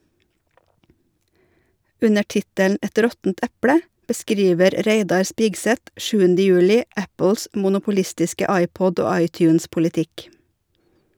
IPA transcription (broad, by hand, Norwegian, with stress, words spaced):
ˈʉnə ˈʈɪtəln̩ ˈɛt ˈɾɔtn̩t ˈæpɽə bəˈskɾiːʋəɾ ˈɾeɪdɑɾ ˈspiːɡsɛt ˈʃʉːəndə ˈjʉːlɪ ˈæpl̩s mʊnʊpʊˈlɪstɪskə ˈɑɪˌpɔd ˈoː ˈɑɪtjʉːnspʊlɪˌtɪk